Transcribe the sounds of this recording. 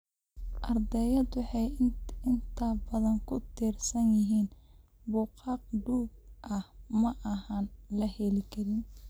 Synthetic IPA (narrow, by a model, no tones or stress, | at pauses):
ʔɐrd̪ɛjɐd̪wʊħɑjɪnt̪ʰɐbɐðɐŋkʰʊt̪ʰiːrsɐnjɪɦiːn | bʊqɑːq̚ɖuːɡ̚ʔɐhmɐʔɐɦanlɐhɛlɪkʰɐɾɪn